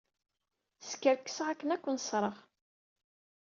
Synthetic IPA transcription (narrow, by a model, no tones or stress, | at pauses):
θskːəɾkːə̥səʁækːənækʷːənsˤɾˤəʁ